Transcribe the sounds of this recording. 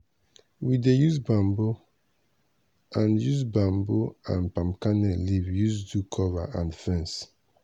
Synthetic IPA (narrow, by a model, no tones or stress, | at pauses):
widejuzbãmbo | ãnjuzbãmboã̰npãmkanɛlivjuzdukʰɔvaʔãndfɛ̃ns